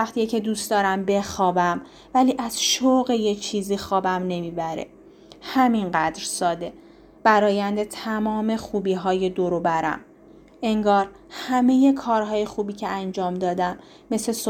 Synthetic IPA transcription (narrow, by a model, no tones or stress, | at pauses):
æxt̪ʰijecʰe̞d̪uːst̪d̪ɒːɾæmbe̞xɒːbæm | væliːʔæz̥ʃoɣejet͡ʃʰiːziːxɒːbæmne̞miːbæɾḛ | hæminɢæd̪ɾsɒːd̪e̞ | b̥æɾɒːjænd̪e̞t̪ʰæmɒːme̞xuːbiːɦɒːje̞d̪oɾobæɾæ̰m | e̞ŋɡɒːɾ | hæme̞je̞kʰɒːɾɦɒːje̞xuːbiːcʰeænd͡ʒɒːmd̪ɒːd̪æmː | e̞seso